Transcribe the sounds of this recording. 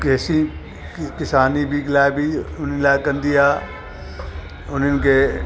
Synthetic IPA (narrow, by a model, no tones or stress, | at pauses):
kɛːsi | kɪsaːnibʱiklaːebʱiʊnlaːekɐ̃nd̪iaː | ʊnənke